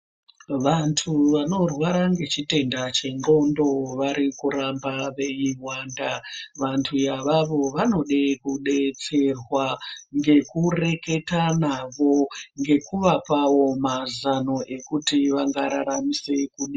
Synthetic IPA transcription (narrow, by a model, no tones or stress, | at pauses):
ʋantʰuʋano̞rwaɾaŋɡe̞t͡ʃite̞ndat͡ʃe̞ŋɡo̞ndo̞ʋaɾikuɾambaʋe̞iwaːndaʋantʰujaʋaʋo̞ʋano̞ɗekuɗe̞t͡se̞rwaŋɡe̞kure̞ke̞tanaʋo̞ŋɡe̞kuʋapawo̞mazano̞ʔe̞kutiʋaŋɡaɾaɾamise̞kuɗi